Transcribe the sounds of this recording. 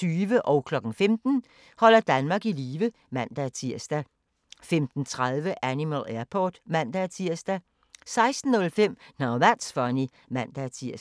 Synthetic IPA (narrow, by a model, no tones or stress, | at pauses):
t͡sʰyːʋəʔɒʊkʰlɒ̽ɡ̥n̩femd̥n̩ | hɒ̽l̰ɐd̥ænmɑ̈ːɡ̥iliːʋə | mæn̰d̥æt͡sʰiɐ̰sd̥æ | femd̥n̩t͡sʰʁaðˠʋəʔænimæleɐpʰɒ̰ːd̥mæn̰d̥æt͡sʰiɐ̰sd̥æ | sɑ̈ɪsd̥n̩ːɔ̽lfem̰nɑʊʋæd̥sfɒni | mæn̰d̥æt͡sʰiɐ̰s